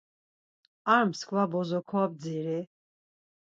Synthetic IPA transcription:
aɾmskʰvabɔzɔkʰɔab̚d͡ziɾi

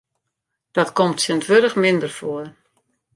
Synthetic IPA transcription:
d̥ɔtkɔmtsəntʋødəxmɪndərfoər

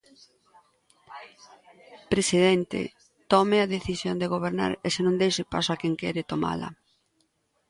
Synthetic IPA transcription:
pɾesiðɛnt̪ɪ̰ | t̪ɔmɪɐðeθisjond̪eɣ̞oβ̞eɾna̰ɾesenõŋd̪ejʃɪpa̰soakɛŋkɛɾɪt̪oma̰lɐ̰

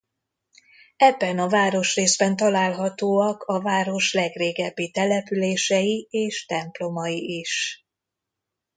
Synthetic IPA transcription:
ɛbːɛnɒvaːɾo̞ʃreːzbɛnt̪ɒlaːlɦɒt̪oːɒkʰɒvaːɾo̞ʃlɛɡreːɡɛbːit̪ɛlɛpyleːʃɛjieːʃt̪ɛmplo̞mɒjiiʃ

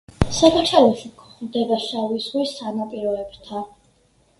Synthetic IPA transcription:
sakaʃʰalɔʃikʰχmd̪ɛɡaʃawiswisanapʼiɾɔɛbt̪ʰa

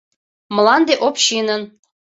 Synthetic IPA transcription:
mə̆lɑnd̪eʔopɕinən

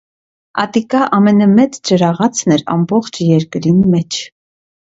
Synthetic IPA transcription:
ɑ̰t̪ikɑʔɑmɛnɑmɛt͡st͡ʃəɾɑʁɑt͡sʰnɛɾɑ̰mbɔχt͡ʃʰjɛɾkɾinmɛt͡ʃʰ

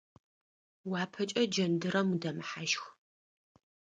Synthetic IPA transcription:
waːpʰɐt͡ʃʼɐd͡ʒɐndɨɾɐmudɐmɨħaʃx

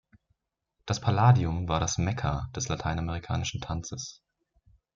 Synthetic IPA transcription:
d̥aspʰalaːdiʊmvaːɐɾasmɛkʰɐd̥ɛslatʰaɪnameʁ̞ikʰa̰ːnɪʃn̩tʰant͡səs

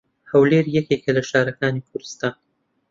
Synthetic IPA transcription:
hawleːɾjɐkekɐlɐʃɑːɾɐkɑːnikʰʊɾɨst̪aːn

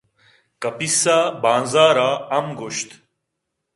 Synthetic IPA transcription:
kɐpisaːbãːnzaːɾaːɐmɡoʃt̪

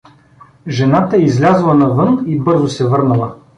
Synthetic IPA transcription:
ʒɛnat̪əɛizlʲazɐlˠɐnɐvɤnibɤɾzʊsɛvɤɾnəlˠə

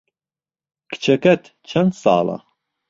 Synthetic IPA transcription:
kʰt͡ʃʰɛkʰɐt̪ʰ | t͡ʃʰɐnd̪sɑ̰ːlɑ̰

